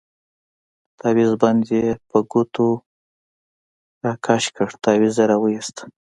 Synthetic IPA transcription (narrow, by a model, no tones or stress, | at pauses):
t̪ɑwizbɑnd̪epəɡut̪o | ɾɑkʰɑʃkəɽt̪ɑwizaɾawəjist̪